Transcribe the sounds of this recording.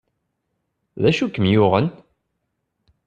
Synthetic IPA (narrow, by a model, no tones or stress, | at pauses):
ðæʃukːəmjʊʁən